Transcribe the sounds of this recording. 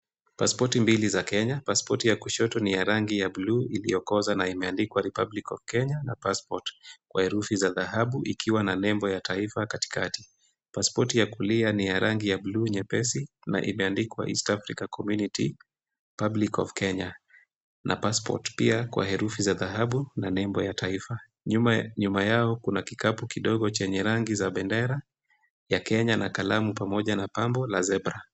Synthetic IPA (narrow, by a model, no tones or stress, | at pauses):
paspɔtimbilizakɛɲapaspɔtijakuʃɔtɔnijaɾaŋɡijabluilḭjɔkɔzanaimɛandikwaɾipablikɔ̰v̥kɛɲana̰paspɔtkwahɛɾufizaðahaɓuʔikʰiwananɛmbɔjatʰaifakati̥kati̥ | paspɔtijakulianijaɾʔaŋɡijabluɲɛpɛsi | na̰ʔḭmɛandikwa̰ʔḭstafɾikakʰɔmjuniti | pablikɔ̰vkɛɲa | nʔa̰paspɔ̰tpiakwa̰hɛɾufizaðaɦaɓunanɛmbɔjataifa | ɲumajaɔkunakikapukiɗɔɠɔt͡ʃɛɲɛɾaŋɡizaɓɛndɛɾa | jakɛɲanakalamupamɔʄanapambɔlazɛbɾa